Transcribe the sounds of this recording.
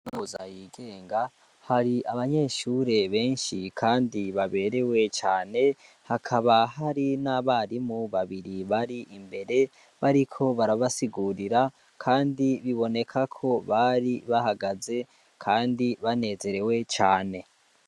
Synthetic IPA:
nuza̰jiːɡe̞ːŋɡa | haɾiaβaɲe̞ːʃuɾe̞βe̞ːnʃikʰaːndiβaβe̞ːɾe̞we̞t͡ʃaːne̞ | hakʰaβaɦaɾinaβaɾimuβaβiɾiβaɾiʔimbe̞ɾe̞ | βaɾikʰo̞βaɾaβasiɡuɾiɾa | kʰaːndiβiβo̞ne̞kʰakʰo̞βaɾiβahaɡaze̞ | kʰaːndiβane̞ze̞ɾe̞we̞t͡ʃaːne̞

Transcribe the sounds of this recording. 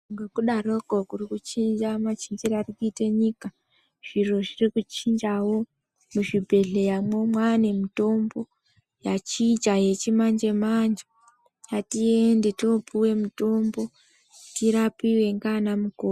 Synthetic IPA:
ŋɡekuɗarokokurikut͡ʃind͡ʒamat͡ʃind͡ʒiɾarikuiteɲika | ʐ̥iroʐirikut͡ʃind͡ʒawo̞ | muʐibʱe̞ɮejamwomwane̞mito̞mbo̞ | jat͡ʃid͡ʒaje̞t͡ʃimand͡ʒe̞mand͡ʒa | jatiendetopiwe̞mito̞mbo̞ | tiɾapiwe̞ŋɡanamukoː

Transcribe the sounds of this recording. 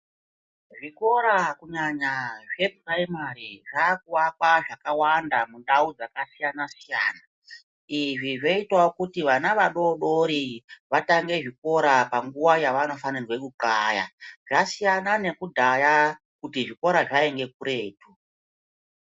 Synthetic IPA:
ʐiko̞ɾakuɲaɲaʐe̞puraimaɾiʐak̚uwakwaʐakawandamuɗaud͡zakasijanasija̰ːna | iʐiʐe̞itwaokutiʋanaʋaɗo̞ɗo̞ɾiʋataŋɡe̞ʐiko̞ɾapaŋɡuwajaʋano̞fanirwe̞kukaːja̰ʐasijanane̞kudʱaja | kutiʐiko̞ɾaʐaeŋɡe̞kuɾe̞ːtʰu

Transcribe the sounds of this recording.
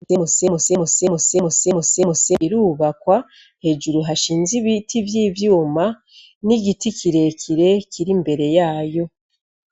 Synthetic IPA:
emusemusemusemusemusemusemuseiɾuːβakwa | he̞ʒuɾuɦaʃiːnziβitʰivjiːvjuːma | niɡitikʰiɾe̞cʰiɾe̞cʰiɾimbe̞ɾe̞jaːjo̞

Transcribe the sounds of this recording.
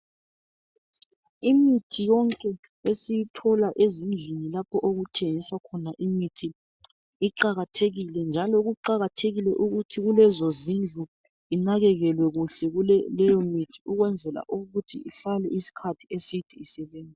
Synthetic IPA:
imitʰijɔŋkʼɛ | esijitʰɔlaʔezind͡ɮʱinilapʰɔʔoɣutʰeŋisakʰɔnaʔimitʰi | iǃaɣatʰeɣilɛnd͡ʒʱalɔɣuǃaɣatʰeɣilɛʔuɣutʰiɣulɛzozind͡ɮʱu | inaɣɛɣɛlwɛɣuɬɛɣulɛlɛjɔmitʰiuɣwɛnd͡zʱɛla̰ʔuɣutʰiiɬalɛisi̥kʰatʰi̥esid̥ʱiisɛβeːnd͡zʱɛ

